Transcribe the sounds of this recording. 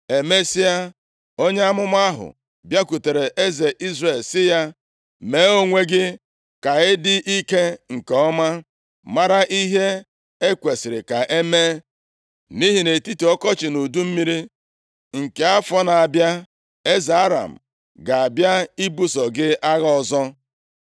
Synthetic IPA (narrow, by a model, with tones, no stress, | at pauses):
e˨me˦sɪ˦ja˦ | o˦ɲe˦a˦mʊ˦m˦a˦ɦʊ̰˨ | bja˦ku˨te˨ɾe˨ʔe˦ze˨ʔi˦zre˨lsɪ˦ja˦ | me˨˦o˦ŋʷe˦ɡɪ˦ | ka˨ɪ˦dɪ˦ʔi˦ke˦ŋ̩˨kɔ˦ma˦ | ma˦ɾa˦ʔi˦ɦe˦ | e˦kʷe˨sɪ˨ɾɪ˨ka˨ʔe˦me˦ | ni˦ɦi˨ne˨ti˦ti˨ɔ˦kɔ˦t͡ʃɪ˨nu˨du˦m̩˦mi˦ɾi˦ | ŋ̩˨ke˦a˦fɔ˦na˨a˨bja˦ | e˦ze˨a˦ɾa̰˨m̩˨ | ɡa˨a˨bja˦i˦bu˦sɔ˨ɡɪ˦ʔa˦ɣa˦ɔ˨zɔ˦